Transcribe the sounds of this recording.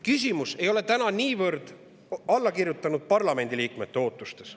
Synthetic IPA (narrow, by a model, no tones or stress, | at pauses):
kys̬ʲimuse̞jo̞le̞t̪ænɑniːvɤɾd̪̥ | ɑlːɑkirjut̪ːˑɑnud̪̥̚pɑrlɑme̞nʲd̪iliːkme̞t̪ːeo̞ːt̪ːˑust̪e̞s